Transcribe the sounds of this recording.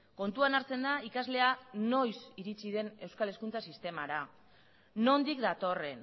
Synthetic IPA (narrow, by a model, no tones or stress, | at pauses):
ko̞nt̪uanaɾt͡se̞nd̪aikazle̞ano̞jsiɾit͡siðe̞ne̞wskale̞skunt͡sasist̪e̞maɾa | no̞nd̪ikd̪at̪o̞re̞n